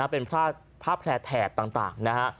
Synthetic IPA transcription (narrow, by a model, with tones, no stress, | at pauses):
a˦˥˩pe˧npʰɾaː˥˩ | pʰaː˥˩pʰlɛː˧t̪ʰɛː˨˩t̪̚ːaː˨˩ŋt̪a̰ː˨˩ŋna˦˥kʰa˦˥ʔ